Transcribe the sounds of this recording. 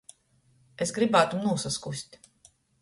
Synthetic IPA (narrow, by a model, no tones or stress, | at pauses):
esɡɾibæːt̪umnuɔsaskusʲt̪ʲ